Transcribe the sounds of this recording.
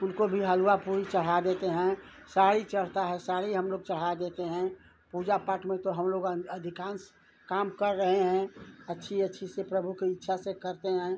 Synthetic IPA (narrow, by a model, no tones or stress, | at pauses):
ʊnkobʱiɦəluapuɾit͡ʃəɽ̤ad̪et̪eɦɛ̃ | saːɽit͡ʃəɽ̤t̪aɦɛsaːɽiɦəmloːɡ̚t͡ʃəɽ̤ad̪eːt̪eɦɛ̃ | puːd͡ʒapaʈmẽt̪oɦəmloːɡəd̪ʱɪkãːns | kaːmkəɾːəɦeɦɛ̃ətːʃʰiətːʃʰisepɾəbʱukeɪtːʃʰasekəɾt̪eɦɛ̃